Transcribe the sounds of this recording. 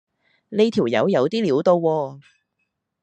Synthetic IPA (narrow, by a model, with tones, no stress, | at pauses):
ne˥˧jt̪ʰiː˨˩wjɐ̰˨˥wjɐ˨˧wt̪iː˥liː˨˥wt̪o˧wːɔː˧